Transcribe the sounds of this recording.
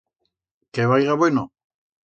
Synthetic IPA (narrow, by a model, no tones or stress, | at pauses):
keβajɣaβeno